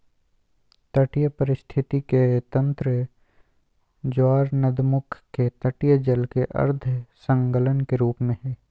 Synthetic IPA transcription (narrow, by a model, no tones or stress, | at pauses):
t̪ɐʈijəpəɾɪst̪ʰɪt̪iket̪ɐ̃nt̪ɾə | d͡ʒaːɾnəd̪mʊkʰket̪ɐʈijəd͡ʒəlkeʔɐ̰ɾd̪ʱsə̃ŋɡələnkeɾuːpmẽɦɛː